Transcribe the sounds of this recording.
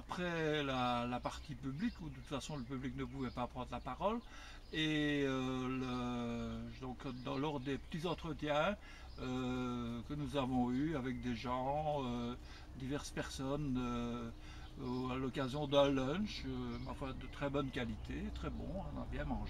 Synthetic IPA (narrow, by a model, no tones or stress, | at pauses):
apχɛlalapaʁt̪ipyblikud̪əut̪fasɔ̃ləpybliknəp̬uvɛpapχɑ̃d̪ʁlapaʁɔl | eølə | d̪ɔ̃kd̪ɑ̃lɔʁd̪epə̥t̪izɑ̃t̪χət̪jɛ̃ | økənuzavɔ̃yavɛk̚d̪eʒɑ̃ø | d̪ivɛʁspɛʁsɔnø | alɔkazjɔ̃d̪ɛ̃lɔ̃ʃømafwad̪ət̪χɛbɔnkʲalit̪ʰet̪χɛbɔ̰̃ɔ̃na̰bjɛ̃mɑ̃ʒe